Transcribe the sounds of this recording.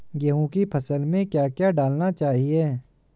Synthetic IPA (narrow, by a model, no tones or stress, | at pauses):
ɡɐɦũkipʰɐsəlmẽkjaːkjaɖaːlnat͡ʃaːɦieː